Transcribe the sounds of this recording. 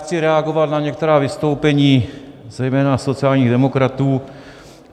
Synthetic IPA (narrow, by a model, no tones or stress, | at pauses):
t͡sɪɾɛaɡovalnaɲɛk̚t̪ɛɾaːvɪst̪owpɛɲiː | zɛjmɛːnasot͡siaːlɲiːɣd̪ɛmokɾat̪uː